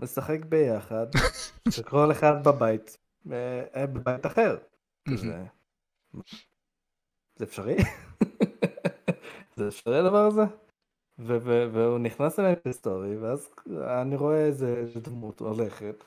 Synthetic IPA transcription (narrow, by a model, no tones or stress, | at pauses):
mesaχekbejaχad̪ʃekoleχad̪̚babait̪ | mebebajitaχeʁ | kizḛ | ma | z̥eːfʃaʁi | zeːfʃaʁiad̪avaʁaze | veveveuniχnasemembst̪o̞ʁiveazaniʁo̞eezeezed̪mutmo̰leχet